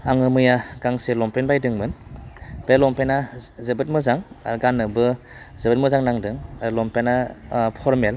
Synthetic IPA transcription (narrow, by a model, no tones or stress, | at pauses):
aŋɯmɯjaɡ̥aŋselɔmpenbajdɯŋmɯnb̥elɔmpenazebɯt̚mɯzaŋɡanɯbɯ | zebɯt̚mɯzaŋnaŋdɯŋlɔmpenapʰɔɾmel